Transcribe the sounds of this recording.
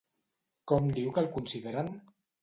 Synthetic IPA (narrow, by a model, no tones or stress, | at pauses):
kɔmd̪iwkəlkunsiðeɾan